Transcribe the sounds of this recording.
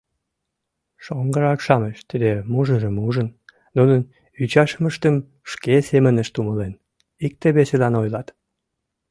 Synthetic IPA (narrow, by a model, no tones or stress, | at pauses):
ʃoŋɡəɾɑkʃɑməʃt̪id̪emuʒəʒəmuʒən | nunən | yt͡ɕɑʃəməʃt̪əm | ʃkesemənəʃt̪uməlen | ik̚t̪eβeselɑnojlɑt̪